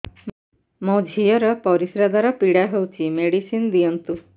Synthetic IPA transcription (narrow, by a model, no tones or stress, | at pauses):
mɔd͡ʒʱijɔɾɔpɔɾisɾad̪aɾɔpiɽaɦewt͡ʃʰimeɽisind̪iɔnt̪u